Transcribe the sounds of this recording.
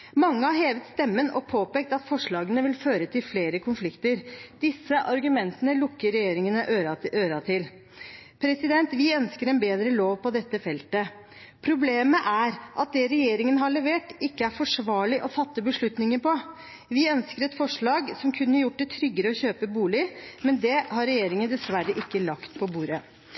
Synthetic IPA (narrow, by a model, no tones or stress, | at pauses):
mɑŋːəhɑheːʋət̪st̪ɛmːənɔpʰoːpeːk̚t̪ɑt̪fɔʂɭɑːɡənəʋɪlføːɾət̪ʰɪlfleːɾəkʰʊnflɪkt̪əɾd̪̥ɪsːəʔɑɾɡʉmɛnt̪ənəlʊkːəɾɛjeːɾɪŋənəʔøɾʔøːɾɑt̪ʰɪl | pʰɾɛsɪd̪ɛnt̪ʋɪœnskəɾɛnbeːd̪ɾəloːʋpɔd̪ɛt̪ːəfɛlt̪ə | pʰɾʊbleːməʔæɾʔɑt̪̚d̪ɛɾɛjeːɾɪŋənəɦɑɭɛʋeːʈɪkːəæɾfɔʂʋɑːɭɪʔɔfɑt̪ːəbəʂɭʉt̪nɪŋəɾpɔ | ʋɪœnskəɾɛt̪fɔʂɭɑːɡsɔmkʰʉnːəjʊʈ̚ːd̪ɛt̪ʰɾʏɡːəɾəɔçøːpəbuːlɪmɛnd̪ɛɦɑɾɛjeːɾɪŋənd̪ɛsʋæɾːəʔɪkːəlɑkt̪pʰɔbuːɾə